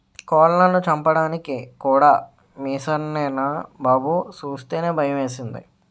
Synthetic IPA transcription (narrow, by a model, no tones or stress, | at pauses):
kɔːllɐnːut͡ʃɐmpɐɽaːnikikuːɽaː | miːsɐnɛːnɐbɐːbut͡ʃuːst̪e̞ːne̞ːbʱɐjɐʋe̞ːsind̪ḭ